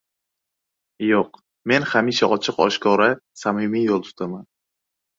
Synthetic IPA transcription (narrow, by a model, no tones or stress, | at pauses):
joq | me̞nhamiʃaʔɒt͡ʃʰɨqɒ̰ʃkʰɒɾasamimijolˠt̪ʰʊ̥t̪ʰaman